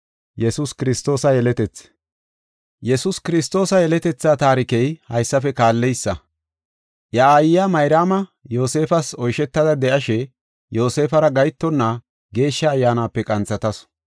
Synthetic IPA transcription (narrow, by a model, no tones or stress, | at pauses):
jɛsuskɪɾɪst̪ːo̞ːsɐjɛlɛt̪ɛt͡s | jɛsʊskɪɾɪst̪o̞ːsɐjɛlɛt̪ɛt͡sːaːt̪aːɾɪkɛjhɐjsːɐfɛkaːlːɛjsːɐ | ʔjɐaːjɪjamɐjɾaːmɐjo̞ːse̞ːfɐsɔjʃɛt̪ːɐd̪ɐd̪ɛʔɐʃɛ | jo̞ːse̞ːfɐɾɐɡɐjt̪ːɔnːɐ | ɡe̞ːʃːɐːjːaːnaːpːɛkʼɐnt͡sːɐt̪ɐs